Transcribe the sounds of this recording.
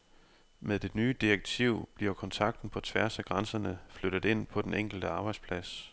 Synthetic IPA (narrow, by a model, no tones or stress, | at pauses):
meðˠd̥e̝̥nyːəd̥ieɡ̥̚t͡sʰiʊ̰b̥liɐkʰɒ̽nt͡sʰɑ̈ɡ̥̚d̥n̩pʰɒ̽t͡sʰʋæɐsæɡ̥ʁɑnsɐnəfløɾ̥ð̩ˠe̝n̰pʰɒ̽d̥eneŋ̰ɡ̥l̩d̥əɑ̈ːb̥ɑ̈ɪd̥spʰlæs